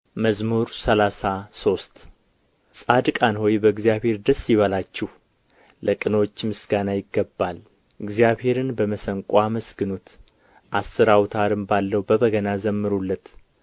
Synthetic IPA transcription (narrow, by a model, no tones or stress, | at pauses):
məzmuɾsəlasaso̞st̪ | sʼad̪kʼanho̞jbəɨɡzijaβhe̞ɾd̪əsːjɪβəlat͡ʃːɛhː | əkʼɨnot͡ʃːmɨsɡanajɪɡːəbːal | ɨɡzijaβhe̞ɾɨnbəməsəŋkʼaməsɡɨnut̪ | ʔasːɨɾawt̪ʰaɾɨmbalːəwbəβəɡənazəmːɨɾulːət̪